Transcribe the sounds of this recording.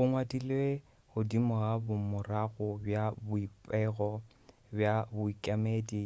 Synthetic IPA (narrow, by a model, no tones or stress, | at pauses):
bʊŋwadile | hʊdimʊɣabʊmʊraɣʊbjabʊipʼɛɣɔ | bjabʊikʼamedi